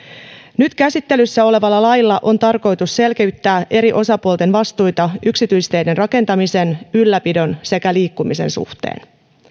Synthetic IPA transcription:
nyt̪kæsit̪ːe̞lysːæo̞le̞ʋɑlːɑlɑjlːɑʔo̞nt̪ɑrko̞jt̪usse̞lke̞yt̪ːæːʔe̞ɾiʔo̞sɑpuolt̪e̞nʋɑst̪ujt̪ɑʔyksit̪yjst̪e̞jde̞nrɑke̞nt̪ɑmise̞nylːæpido̞nse̞kæliːkːumise̞̰nsṵht̪ḛːn

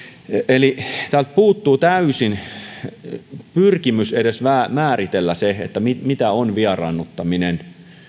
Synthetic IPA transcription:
elit̪ælt̪̚puːt̪ːuːt̪æysin | pyrkimysedesʋæːmæːrit̪elːæsehḛt̪ːæmimit̪æonʋiɑrɑ̰nːut̪ːɑminen

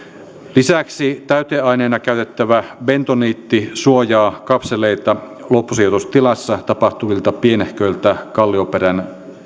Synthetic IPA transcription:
lisæksit̪æyt̪eːɑineːnɑkæyt̪et̪ːæʋæbent̪oniːt̪ːisuojɑːkɑpseleit̪ɑ | lopːusiːt̪ust̪ilɑsːɑt̪ɑpɑht̪uʋilt̪ɑpienehkøjlt̪ækɑlːioperæn

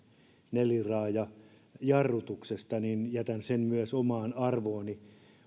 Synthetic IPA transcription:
nelirɑːjɑ | jɑrːut̪uksest̪ɑninjæt̪ænsemmyæsomɑːnɑrʋoːni

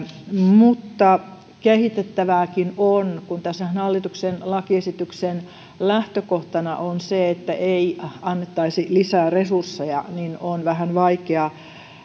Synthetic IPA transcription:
mut̪ːɑ | kehit̪et̪ːæʋæːkinonkunt̪æsænɑlːit̪uksenlɑkiesit̪yksen | læht̪økoht̪ɑnɑ̰ʔonseet̪ːæʔeiɑnːet̪ːɑisilisæːresursːejɑ̰ninonʋæhænʋɑikeɑ

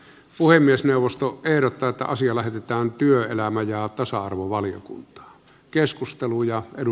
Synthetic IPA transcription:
puhemːiesneˑuʋˑost̪oʔehɾot̪ːˑɑːet̪ːæ̰ʔɑsiɑlæhet̪et̪æːnt̪yøelæmæjɑt̪ɑsɑɑrʋoʋɑlijo̰kṵnt̪ɑ̥ː | keskust̪elujɑedu

